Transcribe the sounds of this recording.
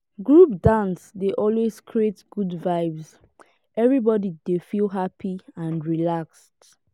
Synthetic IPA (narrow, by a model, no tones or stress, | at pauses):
ɡɹupdãnsdeʔɔlweskʰɹietɡ̥udvaɪvs | ʔɛvɹibɔdidefilɦapʰiãnɹilakst